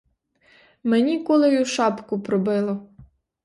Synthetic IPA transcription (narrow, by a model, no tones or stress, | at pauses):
menʲikɔlˠɪjʊʃɑpkʊpɾɔbɪlˠɔ